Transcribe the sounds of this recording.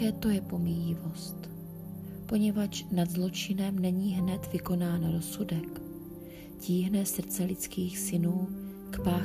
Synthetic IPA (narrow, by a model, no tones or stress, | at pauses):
ɛːt̪o̞jɛpo̞mijɪvo̞st̪ | po̞ɲɛvat͡ʃnad̪zlo̞t͡ʃɪnɛmnɛɲiːɦnɛt̪vɪko̞naːnɾo̞sudɛk | ciːɦnɛsr̩t͡sɛlɪt͡skiːxsɪnuː | kpaː